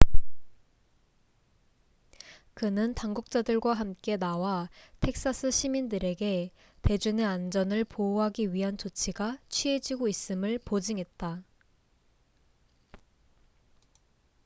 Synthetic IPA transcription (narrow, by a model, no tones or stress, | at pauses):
kɯnɯntaŋɡuk̚t͡ɕ͈adɯɭɡwaɦamk͈e̞nawatʰe̞k̚s͈asʰɯɕʰimindɯɾe̞ɡe̞ | te̞d͡ʑune̞and͡ʑʌnɯɭpouɦaɡiɥiɦant͡ɕot͡ɕʰiɡat͡ɕʰɥie̞d͡ʑiɡois͈ɯmɯɭpod͡ʑiŋɦe̞t̚t͈a